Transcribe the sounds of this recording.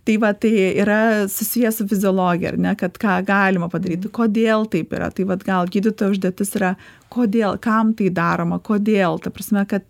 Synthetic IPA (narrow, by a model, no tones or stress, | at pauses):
t̪ɐɪʋɐt̪ɐɪiɾɐsʊsʲɪjɛsʊfʲɪzʲɪoːlˠoːɡʲɪjɛ̰ɐ̰rnʲɛkɐt̪kɑːɡɑːlʲɪmɐpɐd̪ɐɾʲiːt̪ʲkoːd̪ʲeːlˠt̪ɐɪpḭɾʔɐ̰t̪ɐɪʋɐt̪ɡɐlˠɡʲiːd̪ʲɪt̪oːjɛʊʒʲd̪ʲeːt̪ʲɪsɪɾɐ | koːd̪ʲeːlˠkɐmt̪ɐɪd̪ɑːɾoːmɐkoːd̪ʲeːlˠt̪ɐprɐsʲmʲɛkɐt̪